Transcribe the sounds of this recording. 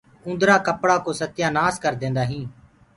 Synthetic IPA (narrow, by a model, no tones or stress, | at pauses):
ʊ̃nd̪ɾaːkəpɽaːkoːsət̪jãːnaːskəɾd̪ẽːnd̪aːɦĩː